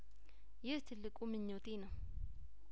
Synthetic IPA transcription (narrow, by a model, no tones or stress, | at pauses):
jest̪ʰelɪkʼumĩɲot̪ina